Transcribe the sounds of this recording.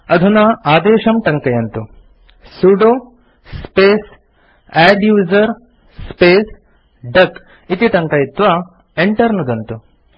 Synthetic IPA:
ɐd̪ʱunɐaːd̪eːʃɐmʈɐŋkɐjɐnt̪u | suɖoː | speːs | ɛːɖjuːzɐɾ | speːs | ɖɐk | it̪iʈ̪ɐŋkɐjit̪ʋa | eɳʈɐɾnud̪ɐnt̪u

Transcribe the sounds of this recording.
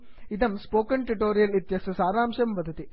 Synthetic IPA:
ɪðɐmspoːkɐnʈɪʈoːɾɪjɐlɪt̪jɐsɐsaːɾaːmʂɐmʋɐd̪ɐt̪i

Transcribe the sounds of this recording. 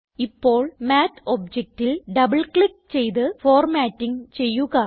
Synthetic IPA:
ipːoːɭmaːt̪ʰoːb̚d͡ʑek̚ʈːilɖɐbɐɭkɭik̚t͡ɕejt̪ɨfoːrmaːʈːiŋt͡ɕejːuɣɐ

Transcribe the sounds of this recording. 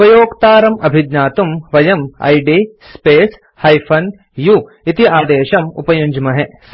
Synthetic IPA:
ɐjoːɡt̪aːɾɐmɐbʱid̪ɲaːt̪umʋɐjɐmɐ̰jɖi | speːs | hɐjpʰɐn | ju | it̪iaːd̪eːʃɐmṵpɐjuɲd͡ʒmɐɦɛ

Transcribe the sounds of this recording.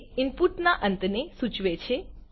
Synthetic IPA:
ɪmpuʈnaʔə̃nt̪nesʊt͡ʃʋet͡ʃʰe

